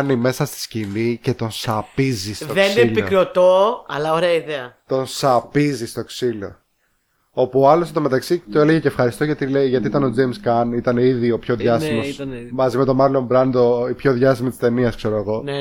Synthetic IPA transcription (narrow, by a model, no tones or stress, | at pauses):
nime̞sɐst̪i̥scinice̞t̪o̞nsɐpizist̪oðenselpikɾeot̪oɐlɐoɾeɐiðeɐt̪o̞nsɐpizist̪o̞ksilo̞ | o̞puoɐloset̪ome̞t̪ɐksit̪oeleʝeceːfxɐɾist̪oʝɐt̪ileʝɐt̪iit̪ɐno̞d͡zejmskɐnit̪ɐneiðio̞pço̞ðʝɐsimosmɐzime̞t̪o̞mɐɾlombɾɐnd̪o̞ipço̞ðʝɐst̪imit̪i̥st̪e̞niɐskse̞ɾoeɣo̞n